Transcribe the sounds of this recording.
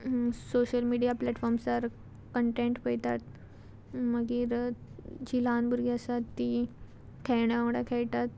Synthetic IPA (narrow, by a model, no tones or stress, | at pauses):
soɕəlmiɽijaplɛʈfɔɾmsaɾ | kəɳʈẽɳʈpəjt̪at̪ | məɡiːɾ | d͡ʑilanbuɾɡiəsat̪ːi | kʰɛjɳaəɽakʰejt̪at̪̚